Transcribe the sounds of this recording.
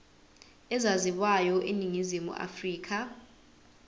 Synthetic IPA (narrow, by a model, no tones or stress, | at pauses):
ɛzaziɓwajɔʔeniŋizimṵʔa̰friːkʰa